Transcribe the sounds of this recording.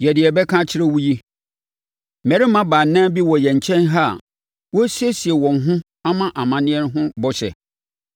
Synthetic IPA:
jɛ˨dɪ˨ɛ˨bɛ˦kʰã˦t͡ɕʰɪ˦ɾɛ˦wu˦ji˦ | mɛ˨ɾi˦mã˦baː˨nːã˦bi˦wɔ˨jɛ˨ɲ̩˨t͡ɕʰɛ̃˦nɦa̰˦˨ | wɔ˦si˦e˦si˨ɛ˨wɔ̃˨n˨ɦʊ̃˦ | a˦mã˦ʔa˨mã˨nɪ̃˦ɛ˦n˦ɦʊ̃˦bɔ˦ɕɛ̰˨

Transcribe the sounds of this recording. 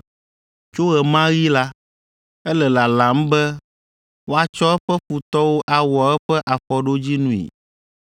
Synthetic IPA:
t͡ʃo˦ɣɛ˨mã˦ɣi˦la˦ | ɛ˦lɛ˨la˨la˨˦m̩˦bɛ˦ | wo˦a˨t͡ʃɔ˦ɛ˦ɸɛ˦ɸu˨t̪ɔ˦wo˦ʔa˨wɔ˨ɛ˦ɸɛ˦ʔa˨ɸɔ˨ɖo˦d͡ʑi˦nũ˦ḭ˨

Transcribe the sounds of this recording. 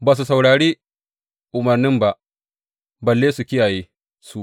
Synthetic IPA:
baː˨s̬u˨sa˨wɽaː˨ɽeː˦ | ʔʊ˨mɐ˨rnɪ˦mba˦ʔ | bɐ˨lːeː˦su˨kʲɪ˦jaː˨jeː˦ | su˦ʔ

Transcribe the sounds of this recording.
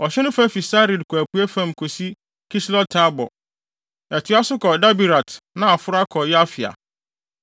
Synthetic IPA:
ɔ˨ɕɛ˦nʊ̃˦fa˦fi˨sa˦ɾi˨dkʰɔ˨æ˨pʰu˨˦æ˦fã˦m˨kʰo˨si˦ | kʰi˦slɔ˦tʰa˦bɔ̰˨ | ɛ˨tʰɪ˨˦a˦sʊ˦kʰɔ˨da˦bi˨ɾa˨tnã˦˨a˨fʊ˦ɾa˦kʰɔ˨jɛ˦a˦fɪ˨a̰˨

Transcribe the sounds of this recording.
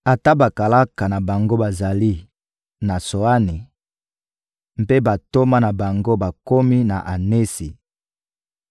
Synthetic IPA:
a˨ta˦ba˨ka˨la˦ka˨na˨ba˨ŋɡo˦ba˨za˨li˦ | na˨so˨a˦ni˨ | m˨pe˦ba˨to˦ma˦na˨ba˨ŋɡo˦ba˨ko˦mi˦na̰˨ʔa˨ne˦si˨

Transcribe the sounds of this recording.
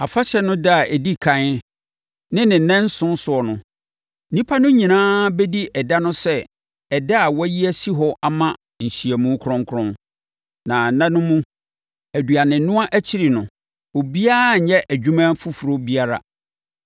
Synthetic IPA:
a˨fa˦ɕɛ˨nʊ̃˦da˦a˨ʔɛ˨di˦kʰã˦ | nɪ̃˦nɪ̃˨nɛ̃˦n̩˦sʊ̃˦n˦sʊ˨ɔ˨nʊ̃˨˦ | nĩ˦pʰa˦nʊ̃˦ɲĩ˨nãː˦be˦di˦ʔɛ˨da˦nʊ̃˦sɛ˦ | ɛ˨da˦a˨wɔ˦ji˦æ˦si˦ɦɔ˦ʔa˨mã˦ | n̩˨ɕi˨æ˨mũ˦kʰʊ˦ɾɔ̃˦ŋkʰʊ˦ɾɔ̃˦n | nã˨nã˦nʊ̃˦mũ˦ | æ˨du˨a˨nɪ̃˨nʊ̃˦a˦ʔæ˦t͡ɕʰi˦ɾi˨nʊ̃˨ | o˨bi˦a˦a˦˨ɲɛ˦ʔæ˨d͡ʑᶣu˦mã˦fʊ˦fu˨ɾo˦bi˦a˦ɾa̰˨

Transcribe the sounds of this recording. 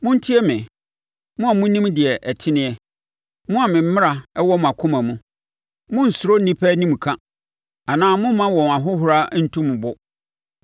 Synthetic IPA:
mʊ̃˦n̩˦tʰi˦ɛ˦mɪ̃˨ | mʊ̃˦a˨mũ˦nĩ˦mdɪ˨ɛ˨ʔɛ˨tʰɪ˦nɪ̃˦ɛ˦ | mʊ̃˦a˨mɪ̃˨m̩˦mɪ̃˦ɾa˨ɛ˦wɔ˦m̃˨a˨kʰʊ̃˦mã˨mũ˨ | mʊ̃˦n̩˨sʊ˨ɾo˦nĩ˦pʰɛ˦nĩ˦m˨kʰã˦ | a˨nãː˦mʊ̃˦mã˦wɔ̃˨m˨a˨ɦʊ˦ɦʊ˨ɾa˦n̩˨tʰũ˦m̃˨bʊ˦

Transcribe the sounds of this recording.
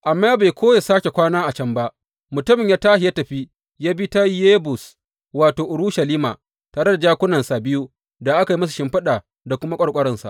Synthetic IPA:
ʔa˨mːaː˦ba˨jkʰʷoː˦ja˨saː˦kʲe˨kʷaː˦naː˦ʔa˨t͡ʃɐ˦mba˦ʔ | mʊ˨tʊ˦mɪ˨ɲjaː˦taː˦hɦɪ˨ja˦tɐ˨ɸi˦ | jaː˦bi˦ta˦ji˦jeː˦bʊ˨s | waː˨toː˨ʔʊ˨ɽu˦ʃa˨liː˦ma̰ː˨ | taː˨ɽe˦da˨d͡ʒaː˦kʷʊ˦nɐ˨nsa˨bɪ˦ju˦ | da˨ʔa˦ka˨ji˦mɐ˦s̬u˨ʃɪ˦mɸɐ˦ɗaː˨ | da˨kʷʊ˦ma˦kʷʼɐ˦˨kʷʼɐ˦ɾɐ˦nsa̰˨ʔ

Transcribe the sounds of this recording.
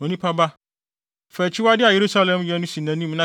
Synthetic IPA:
o˨nĩ˦pʰa˦ba˦ | fæ˨t͡ɕʰɪ˦wa˦dɪ˦a˨je˨ɾu˦sa˦lɛ̃˨mjɛ˦nʊ̃˦sĩ˨nã˨nĩ˦mnã˦

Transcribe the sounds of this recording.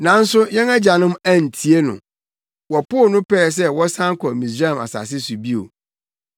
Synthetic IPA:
nã˨˦n̩˦sʊ˦ɲɛ̃˦næ˦d͡ʑa˨nʊ̃˦mæ˦n̩˨tʰi˨e˦nʊ̰̃˨ | wɔ˨pʊ˦˨nʊ̃˦pɛː˦˨s̬ɛ˦wɔ˦sã˦ŋ˦kʰɔ˨mĩ˨s̬ɾa˦˨ma̰˨sa̰˨s̬ɪ˦su˨bi˦o̰˨

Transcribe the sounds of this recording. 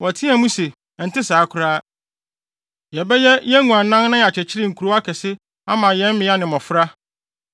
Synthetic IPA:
wɔ˨tʰi˦a˨mũ˦se˨ | n̩˨tɪ˦saː˨˦kʰʊ˦ɾaː˦ | jɛ˨bɛ˦jɛ˦jɛ˦ŋũ˨ã˨nã˦nnã˦ja˨t͡ɕʰɛ˨t͡ɕʰɪ˦ɾɪ˦ŋ̩˨kʰu˨ɾo˦a˦kʰɛ˨sɪ˦ | a˦mã˨jɛ̃˦m̩˦mɪ̃˨˦a˦nɪ̃˨mɔ̃˨fɾa˦

